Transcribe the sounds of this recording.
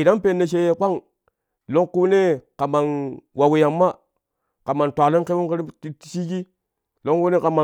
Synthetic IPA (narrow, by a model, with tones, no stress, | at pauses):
i˨da˦npe˦˨nːe˨ʃ̬e˦jkʷa˦ŋ | lo˦ŋku˦ne˦ka˨ma˨nwa˨wi˨ja˨mːa˦ | ka˨ma˨ntʷa˨li˦ŋke˦wu˦ŋke˦ɾi˦ti˦si˦ki˦ | lo˦ŋku˦ne˦ka˨ma˨